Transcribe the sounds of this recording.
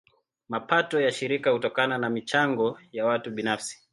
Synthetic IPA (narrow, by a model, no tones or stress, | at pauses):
mapatɔjaʃiɾikahutɔkananamit͡ʃaŋɡɔjawatuɓinafsi̥